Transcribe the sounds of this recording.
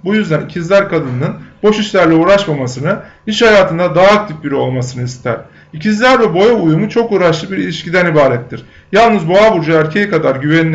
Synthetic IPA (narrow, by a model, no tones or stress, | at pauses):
bujyzd̪ænicʰizlʲæɾkʰad̪ɯnɯnɯnbo̞ʃiʃlʲæɾlʲɛuːɾaʃmamasɯnɯiʃhajaːt̪ʰɯnd̪ad̪aːkt̪ʰifbiɾio̞lˠmasɯnɯist̪ʰæ̰ɾ̥ | icʰizlʲæɾvɛbo̞jaujumut͡ʃʰo̞kuːɾaʃlˠɯbiɾilʲiʃcid̪ænibaːɾɛt̪ʰːiɾ̥ | jalˠnɯzbo̞abuɾd͡ʒaæɾcʰe̞jɛkad̪aɾɟyveni